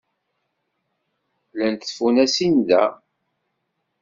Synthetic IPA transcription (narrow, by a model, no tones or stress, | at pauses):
lænt̪ːfunæsind̪æ̰